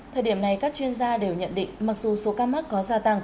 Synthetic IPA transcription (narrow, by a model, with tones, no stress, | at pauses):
t̪ʰə˨˩jɗi˧˩əmna˨˩jkaː˦˥k̚t͡ɕwi˧ənzaː˧ɗe˨˩wɲə̰˧˨nɗḭ̈˧˨ŋ̟ma˨˩k̚zu˨˩so˨˦kaː˧ma˦˥t̚kːɔ˨˦zaː˧t̪a˧ŋ